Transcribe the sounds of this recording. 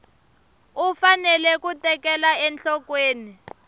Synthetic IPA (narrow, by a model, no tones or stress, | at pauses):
ufanɛlɛkutɛkɛlaɛnɬɔkweːni